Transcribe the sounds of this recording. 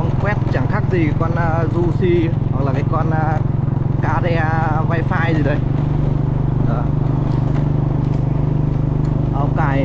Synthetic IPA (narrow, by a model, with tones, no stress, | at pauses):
ŋ͡mkwɛ˦˥t̚t͡ɕa˧˩ŋxa˦˥k̚zi˨˩kɔ˧nː˧zu˧si˧ha˨˩k̚laː˨˩kaː˨˦jkɔ˧nː˧kaː˨˦zɛ˧vaː˧jfaː˧jzi˨˩ɗə˨˦j | ʔəː˨˩ | ʔə˧˩wŋ͡mkaː˧˩j